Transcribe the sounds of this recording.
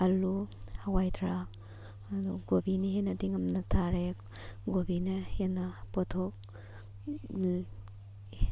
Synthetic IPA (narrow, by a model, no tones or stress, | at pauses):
aluhawajtʰɾa | dɔɡobiniɦenɐdiŋamnatʰaɾe | ɡobinahenapɔtʰok̚